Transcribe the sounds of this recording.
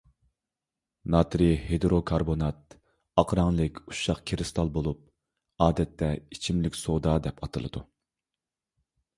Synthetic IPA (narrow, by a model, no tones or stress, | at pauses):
nɑt̪ɾɨhed̪ɾokʰɑɾbonɑt̪̚ | ɑqɾɑŋlˠɨkʲu̥ʃɑχkʲʰeɾɪst̪ʰɑlˠbolˠup̚ | ɑːd̪ɛt̪ʰːɛit͡ʃʰimlɪkʲsod̪ɑd̪ɛpɑt̪ʰɨlˠɨ̰d̪u